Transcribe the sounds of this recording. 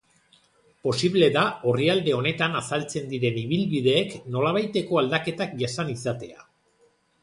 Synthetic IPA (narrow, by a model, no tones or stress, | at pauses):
po̞siβle̞ðao̞riald̪e̞o̞ne̞t̪anasalt͡se̞nd̪iɾe̞niβ̞ilβið̞e̞ːkno̞laβ̞ajt̪e̞ko̞ald̪ake̞t̪akʝasanisat̪e̞a̰